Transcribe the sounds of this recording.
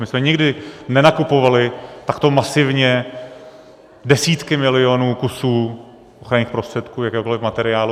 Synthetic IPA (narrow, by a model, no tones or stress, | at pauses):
mɪsmɛɲɪɡdɪnɛnakupo̞valɪt̪akt̪o̞masɪvɲɛ | dɛsiːt̪kɪmɪlɪo̞nuːkusuː | ʔoxɾaɲiːxpɾost̪r̥ɛt̪kuːjakɛːɦokolɪfmat̪ɛɾɪaːlu